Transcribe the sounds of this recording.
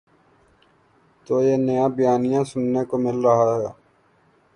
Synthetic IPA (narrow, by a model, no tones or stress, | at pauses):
t̪oːjeːnəjãːbɪjaːnɪjãːsʊnːekomɪlɾəɦaɦɛː